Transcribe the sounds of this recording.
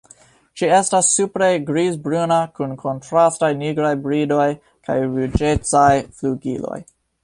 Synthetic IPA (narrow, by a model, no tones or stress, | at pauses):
t͡ʃie̞stasːupɾe̞ɡɾizbɾunakunkʰo̞ntɾastajniɡɾajbɾido̞j | ka̰jɾud͡ʒet͡sajfluɡḭlo̞̰j